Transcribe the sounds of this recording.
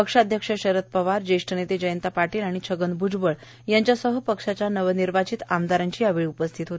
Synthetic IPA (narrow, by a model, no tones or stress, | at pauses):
pəkʂad̪ʱjəkʂəɕəɾət̪̚pəʋaɾd͡ʑeʂʈənet̪ed͡ʑəjənt̪apaʈiːlaɽ̃it͡ɕʰəɡənbud͡zbəɭ | jaɲt͡ɕjasəɦəpəkʂat͡ɕanəʋniɾʋat͡ɕiːt̪amd̪aɾãɲt͡ɕiːjaʋiɭupəst̪ʰit̪ɦot̪